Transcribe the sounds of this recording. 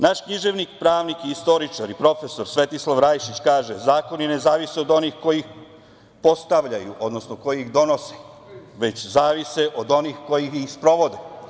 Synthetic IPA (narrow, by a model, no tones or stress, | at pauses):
naʃkɲiʒe̞ʋnikpɾaːʋnikiːst̪o̞ɾit͡ʃaɾipɾo̞fe̞so̞ɾsʋe̞t̪islˠaʋɾajʃit͡ɕkaːʒezaːko̞njene̞zaːʋisiod̪o̞nixko̞jix | po̞st̪aʋʎajuʔo̞d̪no̞snoko̞jiixd̪o̞no̞si̥ | ʋe̞t͡ɕzaːʋiseʔo̞d̪o̞nixko̞jixixspɾo̞ʋo̞d̪e